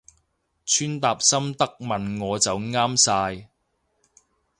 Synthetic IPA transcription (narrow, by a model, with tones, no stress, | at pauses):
t͡ʃʰyː˥nt̪aː˨p̚sɐ˥mt̪ɐ˥k̚mɐ˨nŋɔː˨˧t͡sɐ˨wŋaː˥msaː˧j